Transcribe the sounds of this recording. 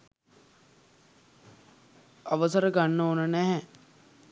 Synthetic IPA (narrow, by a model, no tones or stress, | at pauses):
aʋəsəɾəɡanːoːnənæɦɛ